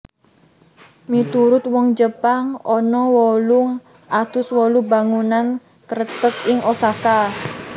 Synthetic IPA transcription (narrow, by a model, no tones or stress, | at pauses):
mit̪uɾʊt̪̚wɔŋd͡ʒəpaŋɔnɔwɔlʊŋ | ʔat̪ʊswɔlubaŋunan | kəɾət̪ək̚ɪŋʔosaka